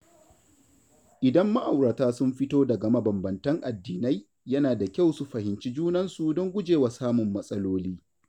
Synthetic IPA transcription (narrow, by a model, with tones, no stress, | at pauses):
ʔɪ˨dɐ˦mːa˦ʔa˨wɽɐ˨taː˦sʊ˦mɸɪ˦toː˦dɐ˨ɡɐ˨ma˦bɐ˨mbɐ˨ntɐ˦ŋʔa˨dːiː˨na˦j | jɐ˦naː˨da˨kʲa˦wsu˦ɸɐ˨hɪ˨nt͡ʃi˦d͡ʒuː˦nɐ˦nsu˨dɔ˦ŋɡʷʊ˦d͡ʒeː˨wa˨saː˦mʊ˨mːɐ˦sʼɐ˦loː˦liː˦